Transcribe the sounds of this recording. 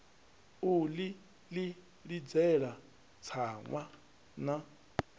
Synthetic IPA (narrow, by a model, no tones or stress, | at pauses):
uli | li | ɺid͡zɛɺa | t͡sʰaŋwa | na